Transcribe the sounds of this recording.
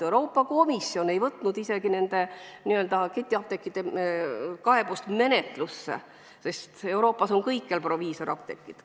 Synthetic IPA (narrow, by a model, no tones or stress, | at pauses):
ewɾo̞ːpːˑɑko̞misːjo̞ne̞jvɤt̪ːˑnud̪ise̞ɡ̥ine̞nd̪e̞niø̞ld̪̥ɑket̪ʲːˑiɑp̚t̪ekːˑid̪e | kɑe̞bust̪me̞ne̞t̪lusːḛ | se̞st̪e̞wɾo̞ːpːɑso̞ŋkɤjkːˑelpro̞viːso̞ɾɑp̚t̪e̞̰kːˑid̪̥